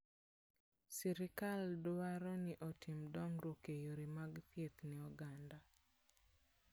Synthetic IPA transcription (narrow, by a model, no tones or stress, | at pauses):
sɛɾɪkaldaɾɔnɪʔɔtʰimdɔŋɾokejoɾimaɡtjet̪niɔɡanda